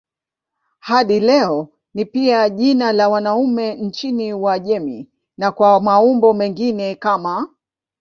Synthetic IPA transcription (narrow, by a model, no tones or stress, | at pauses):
haɗilɛɔ | nipiaʄinalawanaumɛn̩t͡ʃiniwaʄɛmḭ | nakwamaumbɔmɛŋɡinɛkama